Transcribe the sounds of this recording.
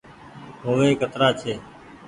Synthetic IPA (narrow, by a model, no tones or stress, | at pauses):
ɦoːʋeːkət̪ɾaːt͡ʃʰeː